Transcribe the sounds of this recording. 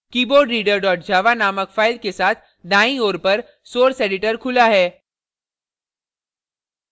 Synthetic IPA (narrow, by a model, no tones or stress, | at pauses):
kiːboːɖɾiːɖəɾɖɔːʈd͡ʒaːʋanaːməkfʰaːɪlkesaːt̪ʰ | d̪aːĩoːɾpəɾ | soːɾseːɖɪʈəɾkʰʊlaɦɛː